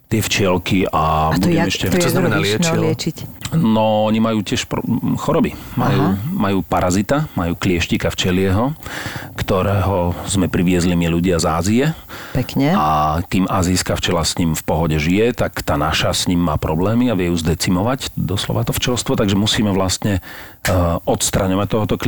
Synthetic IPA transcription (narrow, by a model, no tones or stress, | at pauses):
t̪ɪɛft͡ʃɪɛlkiabuɛɛʃcɛnamɛnalɛnt͡ʃilɪɛt͡ʃicnɔɔɲimajuːcɪɛʃpɔxɔɾɔbimajuːmajuːpaɾazit̪amajuːklɪɛʃcikaft͡ʃɛlɪɛɦɔkt̪ɔɾɛːɦɔzmɛpɾiʋɪɛzlimiluɟɪazaːziɛpɛkɲɛak̪iːmʔaːziskaft͡ʃɛlasɲimfpɔɦɔɟɛʒijɛt̪akt̪aːnaʃasɲimːaːpɾɔblɛːmiaʋɛjuːzd̪ɛt͡simɔʋacd̪ɔslɔ̰ʋat̪ɔft͡ʃɛlst̪ʋɔt̪aɡʒɛmusiːmɛʋlast̪ɲɛ | ɔt̪st̪ɾaɲɔʋac̚t̪ɔɦɔt̪ɔk